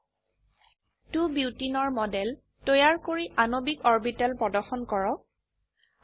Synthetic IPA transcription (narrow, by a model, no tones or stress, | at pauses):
tubiwtinɔɹmɔdɛl | tɔjaɹkoɹiʔanobikɔɹbitalpɹɔdɔɹxɔnkɔɹɔ